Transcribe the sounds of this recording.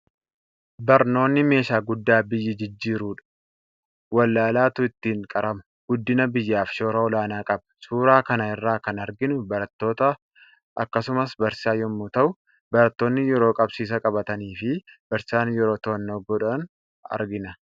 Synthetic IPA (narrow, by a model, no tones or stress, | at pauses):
bɐɾno̞ːnːɪme̞ːʃaːɡʊd̪ːaːbɪjːɪd͡ʒɪd͡ʒːiːɾuːᶑɐ̥ | wɐlːaːlaːt̪ʊɪt̪ːiːŋkʼɐɾɐmɐ̥ | ɡ̥ʊd̪ːɪnɐbɪjːaːfʃo̞ːɾɐɔlaːnaːkʼɐbɐ̥suːɾaːkɐnɐɪrːaːkɐnɐɾɡɪnʊbɐɾɐt̪ːo̞ːt̪ɐ | ʔɐkːɐsʊmɐsbɐɾsaːjɔmːut̪ɐʔʊ | bɐɾɐt̪ːo̞ːnːɪjɛɾo̞ːkʼɐbsiːs̬ɐkʼɐbɐt̪ɐniːfɪb̥ɐɾsaːnjɛɾo̞ːt̪oːnːɔɡɔᶑɐn | ɐ̰ɾɡɪnɐ